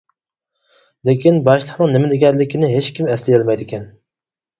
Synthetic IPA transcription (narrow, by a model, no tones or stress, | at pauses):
lekʲinbɑʃlˠəχnɨŋnɪmɪd̪ɪɡʲɛɾlɪkʲinɪɦet͡ʃkʲimɛslɪjelˠmɛjd̪ɪkʲɛn